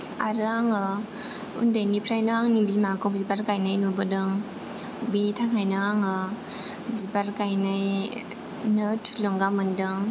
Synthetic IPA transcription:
aɾɯaŋɯ | ṵndajnipʰɾajnɯaŋnibimakɔwbzibaɾkajnajnubɯdɯŋ | binitʰaŋʰajnɯaŋɯ | bzibaɾkajnaj | nɯtʰu̥lɔŋɡamɯndɯŋ

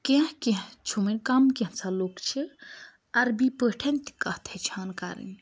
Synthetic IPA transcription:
kẽɦkẽɦt͡ʃʰumɐnʲkamkeɦt͡sʰalokt͡ʃʰi | ɐɾbipəʈʰent̪i̥kɐht̪ʰet͡ʃʰankaɾḭn

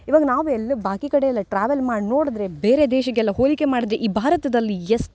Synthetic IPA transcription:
iʋaːɡɐnaːʋuɛlːɐbʱaːkikɐɽeɛlːɐʈɾaːʋelmaːɽno̞ːɽid̪ɾe̞beːɾe̞d̪ɛːʃɐɡɛlːɐɦoːlike̞maːɽid̪ɾeʔiːbʱaːɾɐt̪ɐd̪ɐlːiesʈ

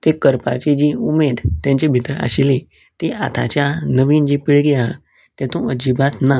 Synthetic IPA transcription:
t̪ekəɾpa̰t͡ɕed͡ʑiumed̪t̪jãɲt͡ɕebʱit̪əɾa̰ɕili | t̪eat̪ʰa̰t͡ɕjanəʋind͡ʑipiɭɡia̰ | t̪ɛ̃t̪ũəd͡ʑibat̪na

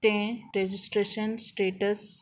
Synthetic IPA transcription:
t̪ẽɾed͡ʒɪsʈɾeʃənsʈeːʈəs

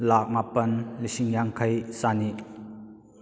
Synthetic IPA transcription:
lak̚mapɐnlisiŋjaŋkʰɐjsani

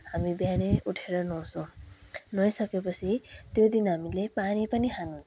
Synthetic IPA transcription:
ɦamibjaneuʈʰeɾʌnʌ̃so | nʌjsʌkepʌt͡sʰit̪jod̪inɦamilepanipʌniɦanu

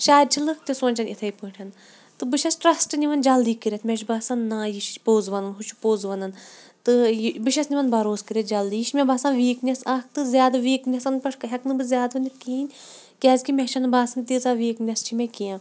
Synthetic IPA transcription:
ʃaːd̪̚t͡ʃʰilɨkt̪ʲisoːnʲt͡ʃɐnit̪ʰɐjpɨːʈʲʰɐn | t̪ɨbɨʃʲɐsʈɾɐsʈɨnʲiʋɐnd͡ʒɐld̪iːkɨɾʲɐt̪ʰmʲeʃbaːsɐnːaːjiʃpoːzʋɐnɐnɦut͡ʃʰu̥poːzʋɐnɐn | t̪ɨbɨʃɐsniʋɐnbɐɾoːskɨɾʲet̪̚d͡ʒɐld̪ijiʃmʲebaːsaːnʋiːknʲɐsaːk̚ʰt̪ɨzʲjaːd̪ɨʋiːknʲɐsɐnpɐʂʰkɦʲɐknɨbɨzʲaːd̪ʋɐnʲd̪ʲit̪̚kiːnʲ | kʲaːzʲkimʲet͡ʃʰɐnbaːsɐnt̪izaʋiːknʲɐst͡ʃʰimʲekijãː

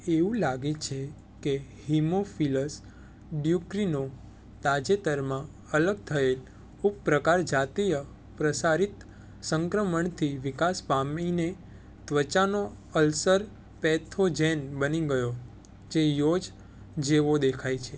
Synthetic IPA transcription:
eʋũlaɡet͡ʃʰe | ke | himofiləs | ɖjukɾino | t̪ad͡ʒet̪əɾmã | ələɡ̚t̪ʰəel | uppɾəkaɾd͡ʒat̪ijə | pɾəsaɾit̪ | səŋkɾəməɳt̪ʰiʋikaspamine | t̪ʋət͡ʃano | əlsəɾ | pɛt̪ʰod͡ʒenbəniɡəjo | d͡ʒejod͡ʒ | d͡ʒeʋod̪ekʰajt͡ʃʰe

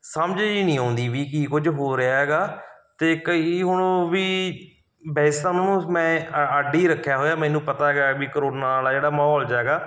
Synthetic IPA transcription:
səmd͡ʒiːnĩːãːnd̪iːʋiːkiːkʊd͡ʒɦoːɾeaːɦɛːɡaːt̪eːkəiːɦʊɳʋiː | bɛːst̪ãnːnũːmɛ̃ːəɖiːɾəkʰːjaːɦoːjaːmɛ̃ːnũːpət̪aːɡaːbiːkəɾoːnaːlaːd͡ʒeːɽaːmaːɦɔːld͡ʒaɛːɡaː

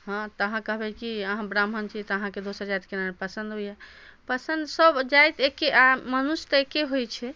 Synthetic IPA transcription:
ɦãt̪əɦãkəɦbɛkiəɦãbɾamɦənt͡ʃʰit̪əɦãked̪osəɾd͡ʒajt̪kenanepəsənd̪ɦojɛpəsənd̪səbd͡ʒajt̪ekːeʔamənust̪əekeɦojt͡ʃʰɛ

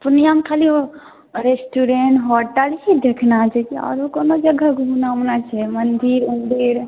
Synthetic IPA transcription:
punijamekʰalio | ɾesʈuɾeɳʈɦoʈəlɦid̪ekʰnat͡ʃɛkiɔ̰ɾokonod͡ʒəɡaɡʱunamnat͡ʃʰɛmənd̪iɾmənd̪iɾ

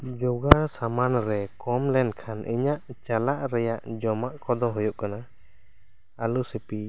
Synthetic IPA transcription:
d͡ʒɔɡaɾsamanɾɛkɔmlɛnkʰanʔḭɲaʔt͡ʃalaʔɾɛjaʔd͡ʒɔmaʔkɔd̪ɔɦɔjɔʔkana | alusɛpi

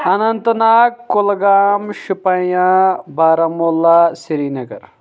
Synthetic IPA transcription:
ɐnɐnt̪naːkːulɡaːmʃupɐjãbaːɾɐmolːasiɾiːnɐɡɐɾ

